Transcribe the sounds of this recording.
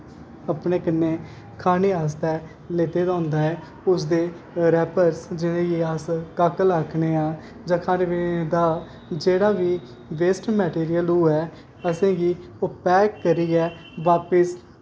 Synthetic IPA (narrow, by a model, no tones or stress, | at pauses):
əpneːkənːeː | kʰaːneːaːst̪ɛː | leːt̪eːd̪ãːʊ̃nd̪aːɛː | ʊs̬d̪eː | ɾɛːpəɾsd͡ʒɪnẽːɡiːaːskaːkəlaːkʰneːaː | d͡ʒãːkʰaːneːʋeed̪aː | d͡ʒeːɽaːʋiː | ʋeːsʈmɛːʈiːɾɪjəluːɛː | əsẽːɡiː | ʊpɛːkːəɾiːɡɛː | ʋaːpəs